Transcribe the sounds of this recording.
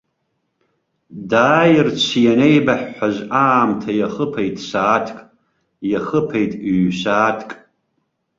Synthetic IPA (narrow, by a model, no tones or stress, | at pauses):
daːjɪrt͡ʃʷʰijanejbaħːʷaʒʷaːmtʰajaχəpʰejtʼsaːtʰkʼ | jaχəpʰejtʼɥɕaːtʰkʼ